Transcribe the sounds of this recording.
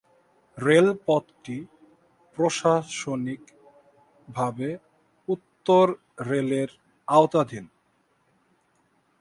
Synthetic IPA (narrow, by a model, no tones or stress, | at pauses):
ɾelpɔd̪ʈi | pɾoʃaʃonik | bʱabe | ut̪ːoɾː | eleɾ | aot̪ad̪ʱin